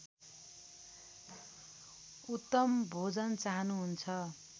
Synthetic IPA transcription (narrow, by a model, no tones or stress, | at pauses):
ut̪ːʌmbʱod͡zʌnt͡saɦʌnuɦunt͡sʰʌ